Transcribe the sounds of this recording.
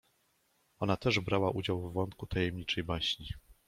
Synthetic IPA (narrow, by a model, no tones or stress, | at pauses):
ɔnat̪ɛʐbɾawaʔud͡ʑawvːɔnt̪̚kut̪ʰajɛmɲit͡ʂɛjbaɕɲi